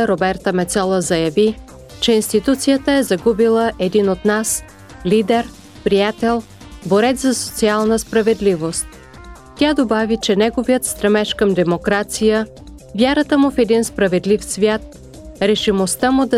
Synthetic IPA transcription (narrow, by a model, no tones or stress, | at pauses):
ɾobɛɾt̪əmɛt̪sɔlˠəzɐjɐvi | t͡ʃɛinst̪it̪ut̪sijət̪əɛzɐɡubilˠəʔɛd̪inot̪nas | lid̪ɛɾ | pɾijat̪ɛlˠ | boɾɛt̪zɐso̥t̪sialˠnəspɾɐvɛd̪livost̪̚ | t̪ʲad̪obavit͡ʃɛnɛɡovijət̪st̪ɾɐmɛʃkəmd̪ɛmokɾat̪sijə | vʲjaɾət̪əmʊfɛd̪inspɾɐvɛd̪lifsvʲjat̪̚ | ɾɛʃimost̪amʊd̪ɐ